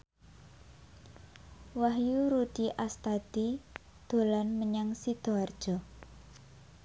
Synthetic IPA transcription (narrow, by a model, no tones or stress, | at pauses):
waɦjuɾud̪̥iʔast̪ad̪̥i | d̪̥o̤lanməɲaŋsid̪̥o̤ard̥ʒ̥ɔ